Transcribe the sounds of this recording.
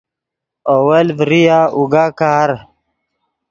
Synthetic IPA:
owelvɾijaːʔuɡaːkaːɾ

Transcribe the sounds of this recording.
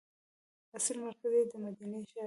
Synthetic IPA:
asilmaɾkazejd̪əmad̪aneʃa

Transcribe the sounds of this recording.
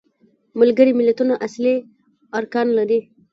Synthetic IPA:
malɡəɾimɪlat̪unaʔasli | aɾkɑnlaɾi

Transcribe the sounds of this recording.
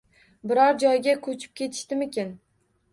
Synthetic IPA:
bɪɾɒɾd͡ʒɒjɡʲakʰɵt͡ʃʰɪ̥p̚kʲe̞t̪ʰɪ̥ʃt̪ɪmekʲen

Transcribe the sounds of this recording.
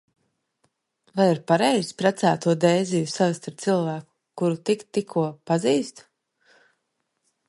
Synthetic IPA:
vajiɾpaɾejzpɾat̪sæːt̪uɔd̪ɛːjzijusavist̪aɾt̪sɨlˠvæːku̥kuɾut̪ikt̪ːikʰːuɔpaziːst̪

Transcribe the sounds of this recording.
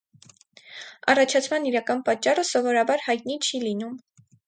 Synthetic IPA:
ɑ̰rɑt͡ʃʰɑt͡sʰmɑniɾɑkɑnpɑt͡ʃːɑrəsɔvɔɾɑbɑɾhɑjt̪̚nit͡ʃʰilinum

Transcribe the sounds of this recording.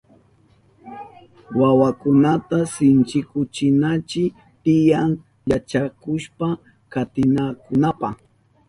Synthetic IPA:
wawakʊnat̪asɪnt͡ʃɪkʊt͡ʃɪnat͡ʃɪ | t̪ɪjaŋ | ʎat͡ʃakʊʃpa | kat̪ɪnakʊnapa̰

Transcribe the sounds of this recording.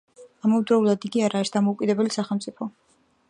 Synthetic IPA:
amɔvd̪ɾɔulˠad̪iɡiaɾaisd̪amɔukʼid̪ɛbɛlisaχɛlmt̪sʼipʰɔ

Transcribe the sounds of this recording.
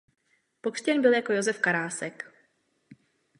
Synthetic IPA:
po̞kr̥cɛnbɪljako̞jo̞zɛfkaɾaːsɛk

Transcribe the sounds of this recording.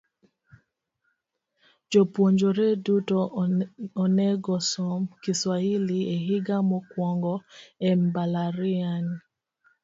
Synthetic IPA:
d͡ʒopwoɲd͡ʒoɾedutɔ | ɔnɛɡɔsɔmkiswailieɦiɡamɔkwɔŋɡɔɛmbalaɾiani

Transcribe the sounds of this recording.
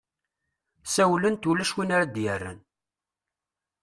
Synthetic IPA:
sæwlənt̪ulæʃwinaɾad̪jərːə̰n

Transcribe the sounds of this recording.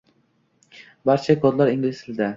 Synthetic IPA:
baɾt͡ʃʰɛkʰod̪lˠaɾiŋɡʲilɪslɪd̪ɪ

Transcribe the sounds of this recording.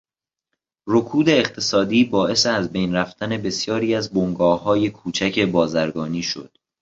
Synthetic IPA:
ro̞kʰuːd̪e̞ːχt̪ʰe̞sɒːd̪iːbɒːʔe̞seæzbe̞jnræft̪ʰæne̞be̞sjɒːɾiːæzboŋɡɒːhɒːje̞kʰuːt͡ʃʰæcʰe̞bɒːzæɾɡɒːniːʃo̞̰d̪̥

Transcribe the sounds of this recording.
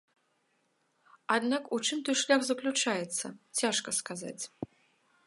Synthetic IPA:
ad̪nakut͡ʂɨmt̪ɔjʂlʲaɣzɐklʲut͡ʂajɛt̪sːɐ̰t͡sʲaʂkɐskaza̰t͡sʲ

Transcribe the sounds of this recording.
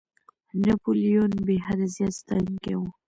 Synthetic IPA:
napolijonbeɦad̪azjɑt̪st̪ajnkewu

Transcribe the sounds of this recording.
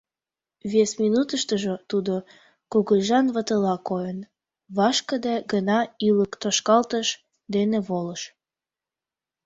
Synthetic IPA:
βesminut̪əʃt̪əʒot̪ud̪o | kuɣəlʲʒɑnβət̪əlɑkojən | βɑʃkəd̪eɡənɑiləkt̪oʃkɑlt̪əʃ | d̪eneβoləʃ

